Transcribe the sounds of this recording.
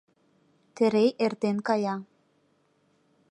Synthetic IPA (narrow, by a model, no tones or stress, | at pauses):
t̪ɘ̆ɾejʔert̪enkɑjɑ